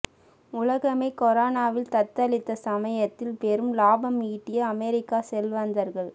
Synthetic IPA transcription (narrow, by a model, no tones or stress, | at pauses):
ʊlɐɣɐmeːkɔɾaːnaːʋɪlt̪ɐt̪ːɐlɪt̪ːɐsɐmɐjɐt̪ːɪlpɛɾɯmlaːbɐmiːʈːɪjɐɐmɛɾɪkːaːsɛlʋɐnd̪ɐɾɣɐɭ